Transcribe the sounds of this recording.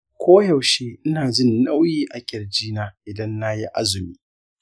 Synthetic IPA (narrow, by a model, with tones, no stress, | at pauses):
kʷʰoː˦jɐ˨wʃeː˦ʔɪ˦naː˨d͡ʒɪ˦nːa˦wjiː˦ʔa˨kʲʼɪ˨rd͡ʒiː˦naː˦ʔɪ˨dɐ˦nːa˦ji˦ʔa̰˦zʊ˨miː˦